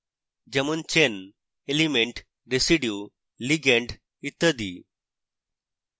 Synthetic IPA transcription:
d͡ʑəmunt͡ɕen | elimeɳʈ | ɾesiɖju | liɡeɳʈ | it̪ːəd̪i

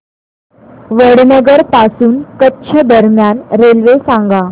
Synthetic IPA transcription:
ʋəɽnəɡəɾpasuːnkətːɕʰəd̪əɾmjanɾelʋesãŋɡa

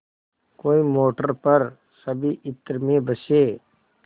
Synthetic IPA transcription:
koːimoːʈəɾpəɾ | səbʱiʔɪt̪ːɾmẽbəseː

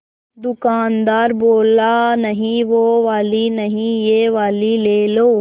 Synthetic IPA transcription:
d̪ʊkaːnd̪aːɾboːlanɐɦĩʋoʋaːlinɐɦĩjeʋaːlileːloː

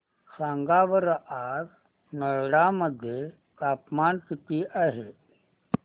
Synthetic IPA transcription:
sãːŋɡaʋəɾʔaɾ | nəɭɽaməd̪ʱje | kaːpmaːnkit̪iʔaɦe

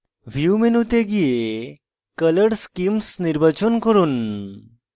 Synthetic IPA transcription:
ʋʱjumenut̪eɡije | kələɽskimsniɾbɐt͡ʃənkəɾun

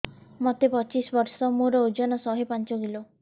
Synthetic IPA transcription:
mɔt̪epɔt͡ʃisbɔɾsɔmuɾɔod͡ʒɔnɔsɔɦepant͡ʃɔɡilo

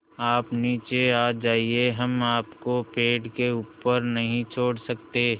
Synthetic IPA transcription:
aːpniːt͡ʃeaːd͡ʒaːieɦɐmaːpkopeːɖkeuːpəɾnɐɦĩt͡ʃʰoːɽsək̚t̪eː

